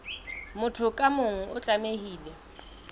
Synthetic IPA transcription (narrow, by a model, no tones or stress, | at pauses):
mʊtʰʊkʼamʊŋ̩ʔʊt͡ɬʼamehiːlɛ